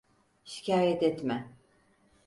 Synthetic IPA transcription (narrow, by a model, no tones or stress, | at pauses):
ʃi̥cʰaːjɛt̪ɛt̪mɛ